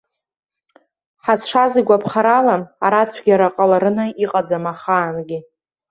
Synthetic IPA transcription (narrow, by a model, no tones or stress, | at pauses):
ħasʂaziɡʷapʰχaɾalamaɾat͡sʷʰɡʲaɾaqʼalaɾɨnɨiqʼad͡zamaχaːnɡʲi